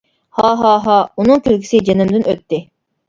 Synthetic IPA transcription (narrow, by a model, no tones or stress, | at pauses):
hɑːɦɑːɦɑːunɨŋkʲʰylkʲʰi̥sɪd͡ʒenɪmd̪ɪnøt̪ːɪ